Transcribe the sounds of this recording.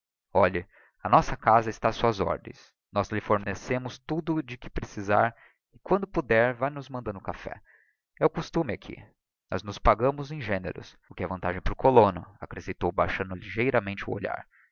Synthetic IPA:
ɔʎɪ | ɐnɔsɐkazɐɪst̪asuɐzɔ̰ɾd̪ḛ̃j̃s | nɔzlɪfoɾnesẽmʊst̪ud̪ʊd͡ʒɪkɪpɾesiza̰ɾ | ɪkwɐ̃nd̪ʊpud̪ɛɾvajnʊzmɐ̃nd̪ɐ̃nd̪ʊkafɛ̰ | ɛʊkust̪ũmɪakʰḭ | nɔ̰znʊspaɡɐ̃mʊzẽj̃ʒẽnḛɾʊ̰s | ʊkɪɛvɐ̃nt̪aʒẽj̃pɾʊkʰolonʊakɾesẽjt̪owbajʃɐ̃nd̪ʊliʒejɾɐmẽnt͡ʃɪʊ̰o̰ʎa̰ɾ

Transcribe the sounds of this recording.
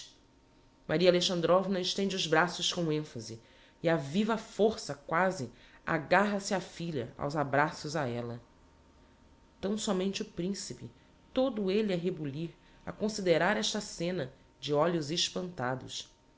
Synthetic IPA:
mʔaɾiɐaleʃɐ̃nd̪ɾɔvnɐɪʃt̪ẽnd͡ʒɪʊzbɾasʊʃkõw̃ẽfɐzɪ | ɪavivɐfoɾsɐkwazɪ | a̰ɡaɦɐsɪafiʎɐ̰a̰wzabɾasʊzaɛlɐ | t̪ɐ̃w̃sɔmẽnt͡ʃɪʊpɾĩsipɪ | t̪od̪ʊelɪɛɦebuliɾ | ɐkõsid̪eɾaɾɛʃt̪ɐsẽnɐ | d͡ʒɪɔʎʊzɪʃpɐ̃nt̪ad̪ʊ̰s

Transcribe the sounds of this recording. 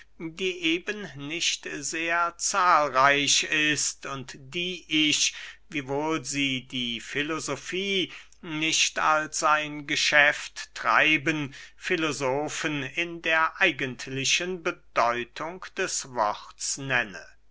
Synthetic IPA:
diːʔeːbənnɪʃtzeːɐt͡saːlʁaɪɕɪstʊntd̥iːʔɪçviːvoːlziːdiːfilozofiː | nɪʃta̰lsaɪnɡəʃɛftːʁ̥a̰ɪbənfɪlozoːfənɪndeːɐʔaɪɡəntʰlɪʃənbədɔʏtʰʊŋkd̥ɛsvɔχtsnɛnə̰

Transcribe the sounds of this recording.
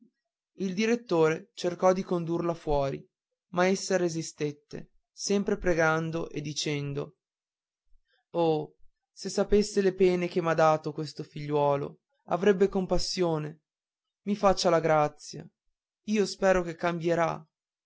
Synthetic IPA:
ild̪iɾet̪ːoːɾet͡ʃerkɔd̪ikond̪urlafwɔːɾḭ | maesːaɾezist̪et̪ːḛ | sɛmpɾepɾeɡand̪oʔed̪ːit͡ʃɛnd̪o | o | sesːapesːelepɛːnek̟emad̪aːt̪okwest̪ofiʎːwɔːlo̰ | a̰vɾɛbːekompasːjoːne | mifat͡ʃːalaɡɾat̪sːja̰ | iːospɛːɾokekːambjeɾa

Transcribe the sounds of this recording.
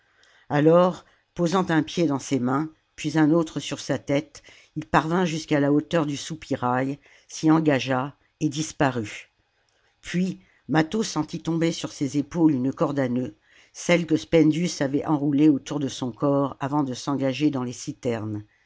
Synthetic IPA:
alɔʁ | pozɑ̃t̪ɛ̃pjed̪ɑ̃semɛ̃ | pɥizɛ̃not̪χəsyʁsat̪ɛt̪ | ilpaʁvɛ̃ʒyskalaot̪œʁd̪ysupiʁaj | siɑ̃ɡaʒa | ed̪ispaʁy | pɥi | mat̪osɑ̃t̪it̪ɔ̃besyʁsezepolynəkɔʁd̪anø | sɛlkəspɛnd̪ysavɛʔɑ̃ʁuleot̪uʁd̪əsɔ̃kɔʁavɑ̃d̪əsɑ̃ɡaʒed̪ɑ̃lesit̪ɛʁn

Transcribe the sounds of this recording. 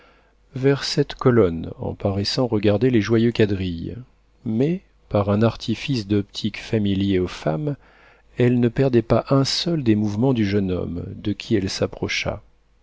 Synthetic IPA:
vɛʁsɛt̪kɔlɔnɑ̰̃paʁɛsɑ̃ʁəɡaʁd̪eleʒwajøkʲad̪ʁij | mɛ | paʁɛ̃naʁt̪ʰifisd̪ɔpt̪ʰikfamiljeofam | ɛlnəpɛʁd̪ɛpaʔɛ̃sœld̪emuvmɑ̃d̪yʒənɔ̰md̪əkʲʰiɛlsapχɔʃa̰

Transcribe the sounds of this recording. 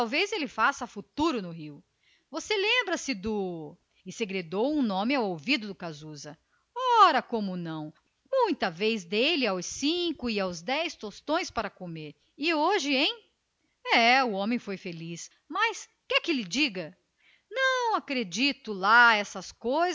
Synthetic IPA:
awvejzelɪfasɐfut̪uɾʊnʊɦiw | voselẽmbɾɐsɪd̪ʊ | ɪseɡɾed̪owũnõmɪawowvid̪ʊd̪ʊkazuzɐ | ɔɾɐkõmʊnɐ̃w̃ | mũj̃t̪ɐvejzd̪elɪawsĩkʊɪawzd̪ɛjst̪ost̪õj̃spaɾɐkomeɾ | ɪoʒɪẽj̃ | ɛʊõmẽj̃fojfelis | mɐs | kɪɛkɪlɪd͡ʒiɡɐ | nɐ̃w̃akɾed͡ʒit̪ʊlaɛsɐskojz

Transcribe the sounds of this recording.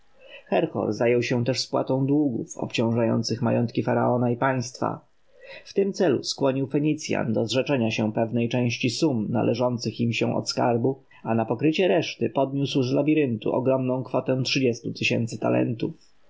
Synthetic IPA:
xɛɾxɔ̰ɾzajɛwɕɛt̪ɛʂspwa̰t̪ɔ̃w̃d̪wuɡufɔ̰pt͡ɕɔ̃w̃ʐajɔ̰nt̪sɘxma̰jɔnt̪kʲifaɾa̰ɔnaipaj̃st̪fa̰ | ft̪ɘmt̪sɛlṵskwɔɲiwfɛɲit̪sʲja̰nd̪ɔzʐɛt͡ʂɛɲaɕɛpɛvnɛjt͡ʂɛ̃w̃ɕt͡ɕisumna̰lʔɛʐɔnt̪sɘximɕɛ̃ʔɔ̰t̪ska̰ɾbu | anapɔkɾɘt͡ɕɛɾɛʂt̪ɘpɔd̪ɲuswzlabʲiɾɘnt̪ṵʔɔɡɾɔmnɔ̃w̃kfɔt̪ɛ̃tʂɘd͡ʑɛst̪ut̪ɘɕɛ̰nt̪sɘt̪a̰lɛ̰nt̪uf

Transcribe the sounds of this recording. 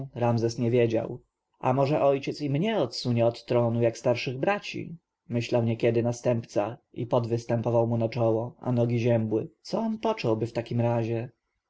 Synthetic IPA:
ɾamzɛsɲɛvʲjed͡ʑa̰w | ʔa̰mɔʐɛʔɔjt͡ɕɛt̪simɲɛɔt̪suɲɛɔt̪ːɾɔnujakst̪aɾʂɘɣbɾat͡ɕḭ | mɘɕlawɲɛkʲɛd̪ɘnast̪ɛmpt̪saḭpɔd̪vɘst̪ɛmpɔvawmunat͡ʂɔwɔa̰nɔɡʲiʑɛmbwɘt̪sɔɔmpɔt͡ʂɔwbɘft̪akʲimɾaʑɛ

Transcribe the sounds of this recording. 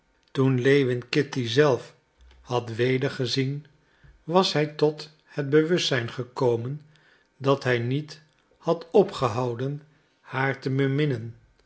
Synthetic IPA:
tunlejʋɪnkɪtizɛlˠf | hɑtʋejdəɹχəzin | ʋɑsɦɛjtɔt | həd̚bəʋɵstːsɛjnχəkowmən | dɑtɦɛjnit | hɑtɔpχəɦɑwdən | haːɹtəbəmɪnən

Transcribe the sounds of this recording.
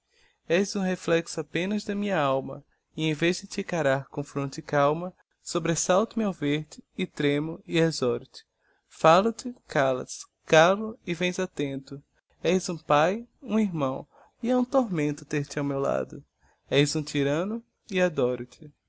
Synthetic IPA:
ɛjzũɦeflɛksʊapẽnɐzd̪ɐmĩɲɐawmɐ̰ | ɪẽj̃vezd̪ɪt͡ʃ̪ɪkaɾaɾkõfɾõt̪ɪkawmɐ | sobɾesawt̪ʊmawveɾt̪ɪːt̪ɾẽmʊɪezɔɾʊt̪ɪ̥ | falʊt̪ɪkalɐ̰s | kalʊɪvẽj̃zat̪ẽnt̪ʊ | ɛjzũpajũiɾmɐ̃w̃ | ɪaũt̪oɾmẽnt̪ʊt̪eɾt̪ɪawmewla̰d̪ʊ | ɛjzũt̪iɾɐ̃nʊ | ɪad̪ɔɾʊt̪ɪ

